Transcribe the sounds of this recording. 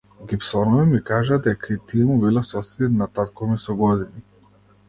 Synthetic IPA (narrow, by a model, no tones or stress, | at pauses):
ɡipsɔnɔvimikaʒad̪ɛkait̪ijɛmubilˠasɔsɛd̪inat̪at̪kɔmisɔɡɔd̪ini